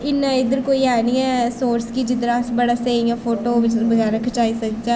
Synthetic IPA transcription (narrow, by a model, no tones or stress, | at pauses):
ɪnːãɪd̪əɾkoːiɛːnĩːɛːsoːɾskid͡ʒɪd̪əɾasbəɽaseĩɛpʰoːʈoːʋɪt͡ʃbəɡɛːɾãkʰɐt͡ʃaːisəkd͡ʒaː